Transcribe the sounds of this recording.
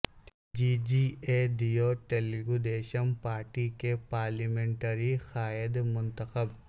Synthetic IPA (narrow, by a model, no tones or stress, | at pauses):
d͡ʒiːd͡ʒiːed̪ijoʈeːliɡud̪eːʃənpaːɾʈikepaːɾliːmẽɳʈəɾixaːɪd̪mʊ̃nt̪əxəb